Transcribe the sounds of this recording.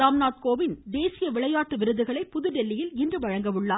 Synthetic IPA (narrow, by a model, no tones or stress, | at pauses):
aːmnaːt̪̚koːʋɪnd̪eːsɪjɐʋɪɭɐjaːʈːɯʋɪɾɯðɯɣɐɭɐɪpːʊðɯɖɛlːɪjɪlɪndrɯʋɐɻɐŋɡɐʋɯɭːaː